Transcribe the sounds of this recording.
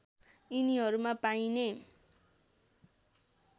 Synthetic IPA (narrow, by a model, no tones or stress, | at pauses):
iniɦʌɾumapajne